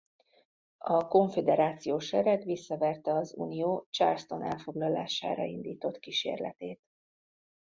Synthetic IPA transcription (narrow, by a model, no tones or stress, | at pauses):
ɒko̞ɱfed̪ɛɾaːt̪sijoːʃɛɾɛt̪ʋisːɒvɛrt̪ɛɒzṵːnijoːt͡ʃarst̪o̞nɛ̰lfo̞ɡlɒla̰ːʃa̰ːɾɒ̰ind̪iːt̪o̞t̪kiʃḛːrlɛ̰t̪eːt̪